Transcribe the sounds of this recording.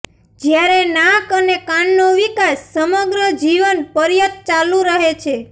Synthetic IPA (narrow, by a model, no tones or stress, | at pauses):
d͡ʒjaɾenakənekãɳnoʋikasːəməɡɾəd͡ʒiʋənpəɾjət̪̚t͡ʃalũɾəɦet͡ʃʰe